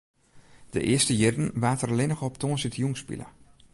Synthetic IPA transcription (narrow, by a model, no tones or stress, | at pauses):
d̥ə̰ʔɪəstəjɪdn̩ʋaːtərlɪnəxɔp̚tʰoːənsitjuŋspḭlə̰